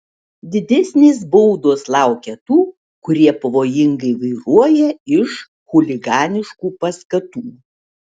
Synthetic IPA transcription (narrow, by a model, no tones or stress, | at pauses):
d̪ʲɪd̪ʲɛsʲnʲeːs̬bɐʊd̪oːslˠɑˑʊkʲɛt̪uː | kʊɾʲiɛpɐʋoːjɪŋɡɐɪʋɐɪɾuɔjɛɪʃ | xʊlʲɪɡɑːnʲɪʃkuːpɐskɐt̪uː